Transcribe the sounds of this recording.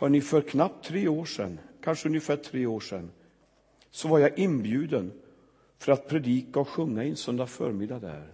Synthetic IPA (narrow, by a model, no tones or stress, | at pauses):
hɑɳɪfœɾkʰnap̚t̪ʰːɾeːoːʂɛ̰nkʰanʂəɵnjəfæːʈʰɾeːoːʂɛ̰nː | sɔvaɾjaʔɪnbjʉ̟ːd̪ən | fœɾat̪̚pʰɾɛd̪iːkaɔɧɵŋːaɛnsœnd̪afœ̰ːɾmɪd̪ad̪æ̰ːɾ